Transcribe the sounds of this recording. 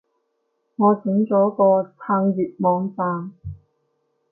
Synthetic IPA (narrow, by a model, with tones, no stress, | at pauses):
ŋɔː˨˧t͡sɪ˨˥ŋt͡sɔː˨˥kɔː˧t͡sʰaː˧ŋjiː˨t̚mɔː˨˧ŋfaː˧n